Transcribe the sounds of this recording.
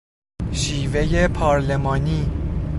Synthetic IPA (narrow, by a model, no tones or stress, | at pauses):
ʃiːve̞jepʰɒːɾlemɒːniː